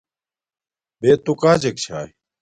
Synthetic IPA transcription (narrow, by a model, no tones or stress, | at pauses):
beːt̪ukaːd͡ʑek̚t͡ɕʰa̰ːi